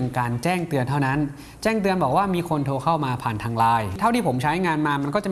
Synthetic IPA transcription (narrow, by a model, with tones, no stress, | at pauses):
ŋkaː˧nt͡ɕɛː˥˩ŋt̪ɯ˧ənt̪ʰa˥˩wna˦˥n | t͡ɕɛː˥˩ŋt̪ɯ˧ənbɔː˨˩k̚waː˥˩miː˧kʰo˧nt̪ʰoː˧kʰa˥˩wmaː˧pʰaː˨˩nt̪ʰaː˧ŋlaː˧j̪ʰa˥˩wt̪iː˥˩po˩˦mt͡ɕʰa˦˥jŋaː˧nmaː˧ma˧nkɔː˥˩t͡ɕa˨˩